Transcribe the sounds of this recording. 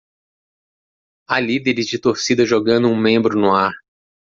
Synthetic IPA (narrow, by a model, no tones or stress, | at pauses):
ɐlid̪eɾɪzd͡ʒɪt̪oɾsid̪ɐʒoɡɐ̃nd̪ʊũmẽmbɾʊnʊaɾ